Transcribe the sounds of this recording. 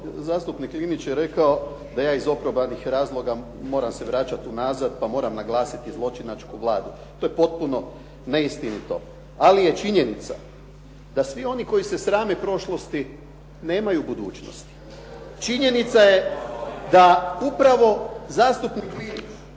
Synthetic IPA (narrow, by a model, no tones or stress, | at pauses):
zaːst̪upniklinit͡ʃjeɾe̞kao | d̪ajaːizo̞pɾobanixɾaːzlˠo̞ɡamo̞ːɾamseʋɾaːt͡ʃat̪unaːzad̪̚pamo̞ːɾamnaɡlˠaːsit̪izlˠo̞t͡ʃinat͡ʃkuʋlˠaːd̪u | t̪ojepo̞t̪̚puno̞ | ne̞ist̪init̪o | alije̞t͡ʃiɲe̞nit̪sa̰ | d̪asʋio̞niko̞jisesɾaːmepɾo̞ʃlˠost̪i | neːmajubud̪ṵːt͡ʃno̰st̪i̥ | t͡ʃiɲe̞nit̪saje̞d̪aupɾaʋo̞zaːst̪upniklinit͡ʃ